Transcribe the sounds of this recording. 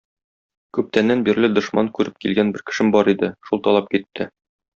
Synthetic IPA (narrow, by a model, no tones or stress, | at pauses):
kʉp̚t̪ænːænbiɾlɘd̪ŏʃmɑŋkʉɾɘp̚kilɡænbɘɾkɘ̥̆ʃɘmbɒɾid̪ɘʃulˠt̪ɒlˠɑp̚kit̪ʰːɘ